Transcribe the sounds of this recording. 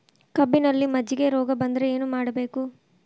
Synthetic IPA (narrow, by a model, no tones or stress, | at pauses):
kɐbːinɐlːimɐd͡ʒiɡe̞ɾɔːɡɐbɐnd̪ɾeeːnumaːɽɐbe̞ːku